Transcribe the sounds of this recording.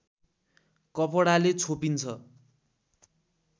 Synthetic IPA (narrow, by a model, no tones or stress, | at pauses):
kʌpʌɽalet͡sʰopint͡sʰʌ